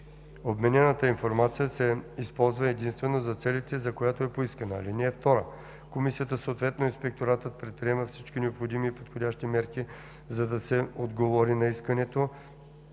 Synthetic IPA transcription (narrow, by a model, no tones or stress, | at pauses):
obmɛnʲɛnət̪əinfoɾmat̪sijəsɛispɔlˠzvəɛd̪inst̪vɛnozɐt̪sɛlit̪ɛzɐkojat̪oɛpoiskənəɐ̰linɛːft̪ɔɾə̰ | komisijət̪əsoot̪vɛt̪noinspɛk̚t̪oɾat̪ət̪̚pɾɛt̪̚pɾiɛməfsit͡ʃk̟inɛopxod̪imiːpot̪xodʲaʃt̪imɛɾki | zɐd̪ɐsɛod̪ɡovɔɾinɐiskənɛt̪o